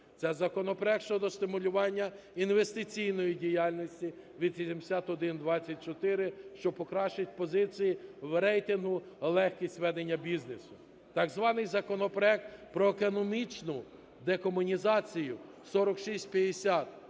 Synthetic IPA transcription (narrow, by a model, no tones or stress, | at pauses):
t̪sɛzɐkɔnɔpɾɔɛk̚ʃt͡ʃɔd̪ɔst̪ɪmʊlʲʊʋɑnʲːɐ | inʋe̞st̪ɪt͡sʲijnɔjidʲijɑlʲnʲɔsʲtʲi | ʋʲid̪ʃisʲimsʲat̪ɔd̪ɪnd̪ʋɑt͡sʲːɐt̚ʲt͡ʃɔt̪ɪɾɪʃt͡ʃɔpɔkɾɑʃt͡ʃɪtʲpɔzɪt͡sʲijiwɾɛjt̪ɪnɦʊ | lˠɛxkʲisʲtʲʋɛd̪enʲːɐbʲiznesʊ | t̪ɐɡzʋɑnɪjzɐkɔnɔpɾɔɛk̚t̪pɾɔekɔnɔmʲit͡ʃnʊ | d̪ekɔmʊnʲizɑt͡sʲijʊ | sɔɾɔkʃisʲtʲpʲjɐd̪esʲat̪